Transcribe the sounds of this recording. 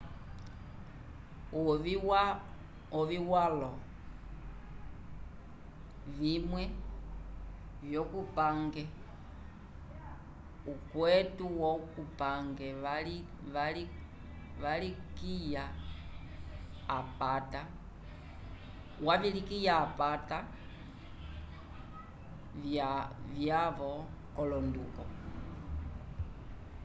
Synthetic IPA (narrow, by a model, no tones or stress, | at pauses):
a | ɔviwalɔ | vimwɛ | vjokupaŋɡɛ | ukwɛtuwɔkupaŋɡɛa | βali | ʋalikija | pata | wavilikijaːpata | avjavɔ | kɔlɔndukɔ